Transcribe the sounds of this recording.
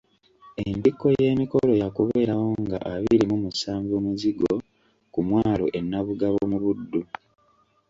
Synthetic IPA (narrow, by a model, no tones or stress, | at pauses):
enbikːo̞je̞ːmiko̞lo̞jakuβe̞ːɾawo̞ŋɡa̰ʔaβiɾimumusaːɱvoːmuziɡo̞ | kumwaːlo̞̰ʔe̞nːaβuɡaβomuβudːu